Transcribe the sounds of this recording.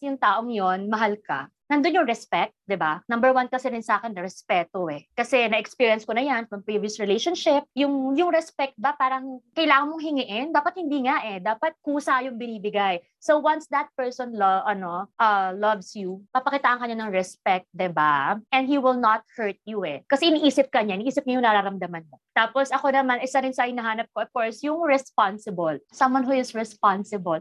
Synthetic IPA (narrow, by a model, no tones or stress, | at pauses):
jʊŋt̪aːʔoŋjonmɐɦalka̰ | nɐnd̪onɲjʊɾɛspɛk̚t̪̚d̪ɪbanɐmbɛɹwankɐsɛnɪnsaːkɛnːɐɾɛspɛt̪oʔɛkɐsɛnɐʔɛkspiːɹjɐnskonɐjanfɹɐmpɹiviosɹɪlejʃonʃɪp̚jʊŋjʊŋɾɛspɛk̚t̪̚bɐpaːɾɐŋkɐjlaːŋɐnmoŋɦɪŋɪʔɪnd̪aːpɐt̪̚hɪnd̪iːŋaʔɛd̪aːpɐt̪̚kuːsɐjʊŋbɪniːbɪɡaj | sowɐnsd̪ɐt̪̚pɛɹsɔnlɐʔɐnoʔɐlɐvsjupɐpɐkit̪aːʔɐŋkɐɲːanɐŋɹɛspɛk̚t̪̚d̪ɛbaʔɛnd̪hiwɪlnɐt̪̚hɛɹt̪̚juɛkɐsɛʔɪniʔiːsɪp̚kɐɲaʔɪniʔiːsɪp̚ɲajʊŋnɐɾaɾɐmd̪ɐmɐnmot̪aːposɐko̞nɐmanʔɪsaɾɪnsɐhɪnɐɦaːnɐp̚koʔɐfkoɹsjʊŋɹɛspansɪbolsɐmwɐnɦuɪsɹɛspansɪbɐl